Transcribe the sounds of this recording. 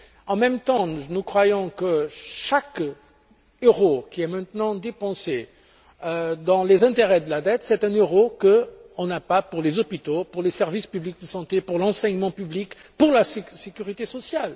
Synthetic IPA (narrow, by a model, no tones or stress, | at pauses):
ɑ̃mɛmt̪ɑ̃nukχwajɔ̃kəʃak | øʁokʲiɛmɛ̃t̪nɑ̃d̪epɑ̃se | ød̪ɑ̃lezɛ̃t̪eʁɛd̪əlad̪ɛt̪sɛt̪ɛ̃nøʁokəɔ̃napapuʁlezɔpit̪opuʁlesɛʁvispyblik̚d̪əsɑ̃t̪epuʁlɑ̃sɛɲmɑ̃pyblikpuʁlassekʲyʁit̪esɔsjal